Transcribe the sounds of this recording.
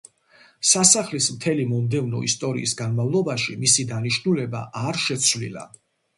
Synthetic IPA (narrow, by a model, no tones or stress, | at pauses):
sasaχlismt̪ʰɛlimɔmd̪ɛvnɔ̰ḭst̪ʼɔɾḭisɡanmavlˠɔbaʃimisid̪aniʃnulɛba̰ʔaɾʃɛt̪sʰvlḭla̰